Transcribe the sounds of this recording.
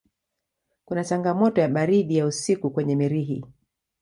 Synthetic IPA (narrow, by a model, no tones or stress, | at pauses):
kunat͡ʃaŋɡamɔtɔjaɓaɾiɗijausikukwɛɲɛmiɾiɦḭ